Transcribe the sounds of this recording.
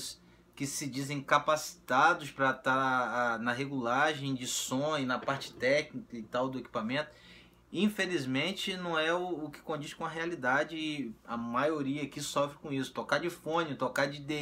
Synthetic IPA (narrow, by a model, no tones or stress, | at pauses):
s | kɪsɪd͡ʒizẽj̃kapasi̥t̪ad̪ʊspɾɐt̪aɾanɐɦeɡulaɾʒẽj̃d͡ʒɪsõnɐpaɾt͡ʃɪ̥t̪ɛknikɐɪt̪awd̪ʊeki̥pamẽt̪ʊ̥ | ĩfelizmẽnt͡ʃɪnɐ̃w̃ɛʊːkɪ̥kõd͡ʒiʃkõɐɦealid̪ad͡ʒɪɪɐmajoɾiɐkɪsɔfɾɪkõisʊ̥t̪okad͡ʒɪfõnɪt̪okad͡ʒɪd̪e